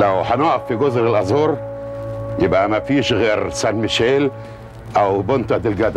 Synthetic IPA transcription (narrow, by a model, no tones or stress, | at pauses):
læwħænoʔæfːiɡozɾelʔɑzoːɾ | jebʔæmæfiːʃɣeːɾsænmɪʃeːl | ʔæwbont̪ɑd̪ɪlɡæd̪æ